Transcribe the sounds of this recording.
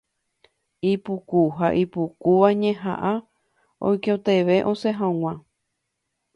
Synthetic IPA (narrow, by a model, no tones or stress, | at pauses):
ipukuɦaʔipukuʋaɲẽɦã̰ʔa | o̰jkot̪e̞ʋe̞ʔõ̞seɦãw̃ã